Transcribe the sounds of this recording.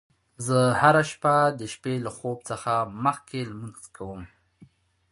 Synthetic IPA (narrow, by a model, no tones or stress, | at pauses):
zəhaɾaʃpad̪əʃpelaxob̚t͡səxaməxkelmənzkʰawəm